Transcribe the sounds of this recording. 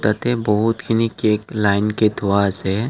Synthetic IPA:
t̪ət̪ebɔɦʊt̪kinikeːklaːɪnket̪ʰuase

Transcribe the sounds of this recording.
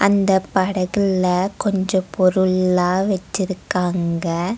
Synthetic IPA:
ʔɐnd̪ɐpɐɽɐɣɯɭɐkɔɲd͡ʒɔ̃pʰɔɾɯɭaːʋɐt͡ʃːɪɾɯkːaːŋɡɐ

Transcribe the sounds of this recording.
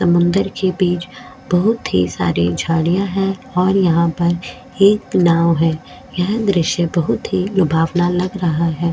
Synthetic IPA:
sɐmʊ̃nd̪əɾkebiːt͡ʃ | bɐɦʊt̪ɦḭsa̰ːɾid͡ʒʱaːɽijãɦɛːɔːɾjɐɦãpɐɾ | eːknaːʋɦɛː | jɛɦd̪ɾɪʃjəbɐɦʊt̪ɦilʊbʱaːʋnalɐɡɾɐɦaɦɛː

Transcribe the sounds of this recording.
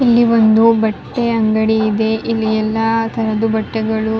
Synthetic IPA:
ilːiʋond̪ubɐʈːeɐŋɡɐɽiːd̪e̞ʔilːiɛlːɐt̪ʰɐɾɐd̪ubɐʈːɛɡɐɭu

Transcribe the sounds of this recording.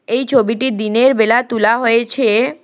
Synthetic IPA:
ejt͡ɕʰobiʈid̪ineɾbelat̪ulaɦoet͡ɕʰe

